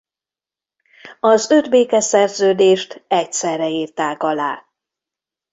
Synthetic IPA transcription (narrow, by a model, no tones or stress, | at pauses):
ɒzød̪beːkɛsɛrzøːd̪eːʃt̪ɛcsɛrːɛiːrt̪aːkɒlaː